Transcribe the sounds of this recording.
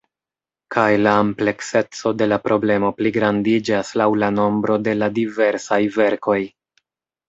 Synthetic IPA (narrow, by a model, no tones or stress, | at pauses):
kajlaːmple̞kse̞t͡so̞de̞lapɾo̞ble̞mo̞pliɡɾandid͡ʒaslawlano̞mbɾo̞de̞ladive̞ɾsajve̞ɾko̞j